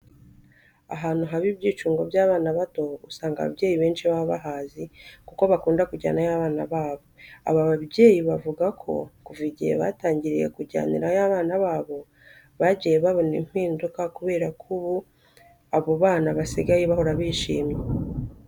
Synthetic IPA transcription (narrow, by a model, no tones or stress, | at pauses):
a̰ɦaːn̥huɦaβibɟiːt͡ʃuːŋɡo̞bjaːβaːnaβato̞ṵsaːŋɡa̰βa̰bɟeːjiβe̞ːnʃiβaβaɦaːzikuko̞βakuːndakuɟa̰ːnajaβaːnaβaːβo̞a̰βaβaβɟe̞ːjiβavuɡakʰo̞̰kuviɟḭjḛβa̰taːɲɟiɾije̞̰kuɟa̰ːniɾajaβaːnaβaːβo̞ | βaɟijeβaβo̞nḭm̥hiːndukakuβe̞ːɾakʰuβu | aβoβaːnaβasiɡajeβahoɾaβiːʃḭːmje